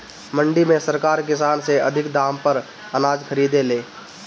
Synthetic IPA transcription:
məɳɖimẽsəɾkaːɾkɪsaːnseəd̪ʱɪkd̪aːmpəɾ | ənaːd͡ʒkʰəɾiːd̪eleː

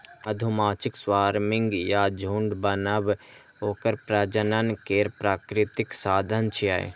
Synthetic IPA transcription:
ɐd̪ʱʊmaːt͡ʃɪkswaːɾmɪ̃ŋɡjad͡ʒʱuːɳɖbənəb | ɦoːkəɾpɾəd͡ʒənənkeːɾpɾaːkɾɪt̪ɪksaːd̪ʱənt͡ʃʰia̰ːḛ

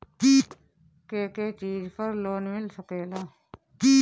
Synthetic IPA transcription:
k̪iː | keːkeːt͡ʃiːd͡ʒpʰəɾloːnmɪlsəkeːlaː | diː

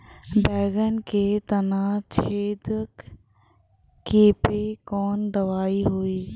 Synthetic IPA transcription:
bɛːɡənɪ̆kʰeːt̪ɐnat͡ɕʰeːd̪ək | keːpekɔːnd̪ɐʋaːiɦuiː

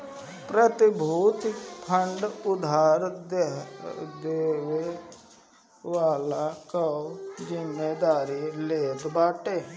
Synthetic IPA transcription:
pɾət̪ɪbʱuːt̪pʰəɳɖʊd̪ʱaːɾ | d̪eːʋe | ʋaːlakəod͡ʒɪmːeːd̪aːɾileːɡbaːʈeː

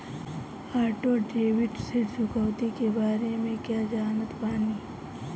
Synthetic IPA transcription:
aːɾʈoɖeːʋɪɖsesʊkəwt̪ikebaːɾemẽkjaːd͡ʒaːnət̪paːniː

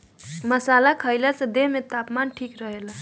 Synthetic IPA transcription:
məsalakʰəjlasə̃d̪emet̪apmanʈʰikɾəɦela

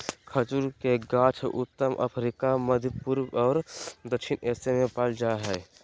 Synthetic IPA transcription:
kʰət͡ʃuɾkeɡãːt͡ʃʰʔʊt̪ːəmʔə̰pʰɾikaməd̪ʱjəpuɾwɔːɾd̪əkʃɪnɛːsemẽpəld͡ʒaːɦɛː

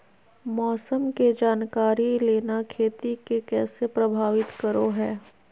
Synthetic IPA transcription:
mɔːsəmked͡ʒaːnkaːɾileːnakʰeːt̪ikekɛːsepɾɐbʱaːʋɪt̪kəɾoɦɛː

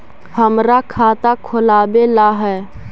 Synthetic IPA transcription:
həmɾakʰaːt̪akʰʊlaːbelaːɦɛː

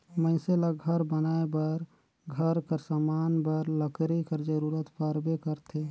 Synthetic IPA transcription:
məɪselaɡʱəɾbənaːebəɾ | ɡʱəɾkəɾsamaːnbəɾləkɾikəɾd͡ʒəɾuːɾət̪paɾbekəɾt̪ʰe

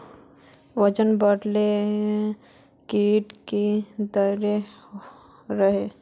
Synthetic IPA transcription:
ʋət͡ʃənbəɽle | keːʈked̪əɾe | ɾəɦe

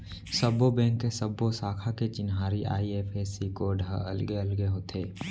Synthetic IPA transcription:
səbːobɛ̃ːŋkːesəbːosaːkʰaket͡ʃɪnɦaːɾiʔa̰ːiepʰesikoːɖʱəə̰lɡeəlɡeɦoːt̪ʰeː

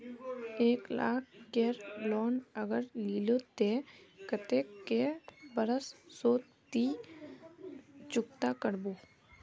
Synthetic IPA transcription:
eːkla̰ːk̚ʰkeːɾloːnəɡəɾliːloːt̪ekət̪ekːebəɾəssoːt̪ | t̪iː | t͡ʃʊkt̪aːkəɾbuː

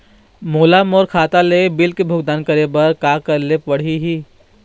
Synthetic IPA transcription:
moːlamoːɾkʰaːt̪alebɪlkebʱʊɡd̪aːnkəɾebɐɾkaːkɐɾlepɐɽ̤iɦiː

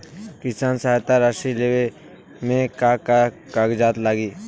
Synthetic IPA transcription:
kɪsaːnsaɦat̪aɾaʃilewe | mẽkaːka | kaɡd͡ʒaːt̪laːɡiː

